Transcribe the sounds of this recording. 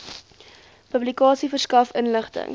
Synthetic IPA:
pəblikɑːsifərskɐfənləχtə̰ŋ

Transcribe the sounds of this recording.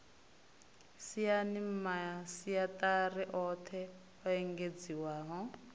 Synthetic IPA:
sijanimmasijat̪ʼarɛʔɔt̪ʰɛ | ɔɛŋɡed͡ziwaːɦɔ

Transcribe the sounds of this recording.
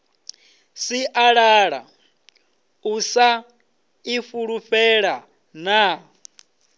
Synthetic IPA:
siʔaɺaːɺa̰ | usa | ifuɺuɸɛɺa | na

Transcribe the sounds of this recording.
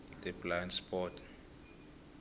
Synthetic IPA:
d̥ɛblanspʰʼɔtʰ

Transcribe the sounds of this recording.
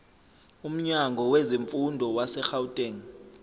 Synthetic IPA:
um̩ɲaŋɡʱɔweziɱfundʱɔwasɛxawutʼeŋ

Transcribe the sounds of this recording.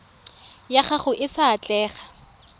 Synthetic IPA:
jaχaχʊʔɪsaːt͡ɬʼɛːχḁ

